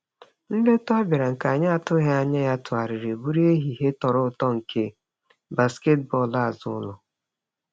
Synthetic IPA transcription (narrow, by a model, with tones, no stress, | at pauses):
n̩˦dɪ˦tʊ˦a˦ba˨ɾa˨ŋ̩˨ka˨ɲa˦a˨tʊ˦ɦe˦a˨ɲa˦ja˦tʊ˨a˨ɾɪ˨ɾe˨bu˦ɾi˦e˦ɦi˨ɦe˦tɔ˨ɾʊ˦ʊ˦˨tɔ˦ŋ̩˨kʰe˦ | ba˨ske˦t̚bɔ˦˨la˦˨zʊ˦lʊ˨